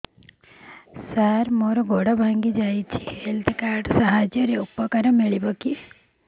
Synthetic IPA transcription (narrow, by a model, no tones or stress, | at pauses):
saɾmoɾɔɡɔɽabʱaŋɡid͡ʒajt͡ʃʰi̥helt̪ʰkaːɾɖsaɦad͡ʒjɔɾeupɔkaɾɔmiɭibɔki